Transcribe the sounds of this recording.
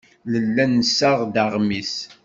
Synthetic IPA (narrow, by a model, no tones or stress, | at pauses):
ləlːænːəsːaʁd̪aʁmis